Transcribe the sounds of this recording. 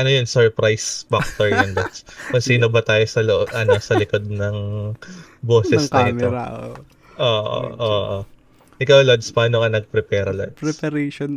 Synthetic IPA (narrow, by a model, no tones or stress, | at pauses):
ʔɐnojonsɛɹpɾajsfak̚t̪ɔɹjɐnlod̪skkonsiːno̞bɐt̪aːjo̞sɐloʔʔɐnosɐlɪko̞d̪̚nɐŋ | boːsɛsnɐʔɪt̪o | ʔoːʔo̰ʔoːʔo | ʔɪkawlod̪spɐnoŋɐnɐɡ̚pɾɛpɛːɾɐlo̰d̪pɾɛspɐɾeʃon